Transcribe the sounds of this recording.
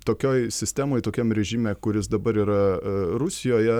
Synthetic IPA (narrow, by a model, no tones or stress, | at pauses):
t̪oːkʲoːjsʲɪsʲt̪ʲæːmoːjt̪oːkʲɛmɾʲɛʒʲimʲɛːkʊɾʲɪsd̪ɐbɐɾiːɾɐɾʊsʲɪjoːjɛ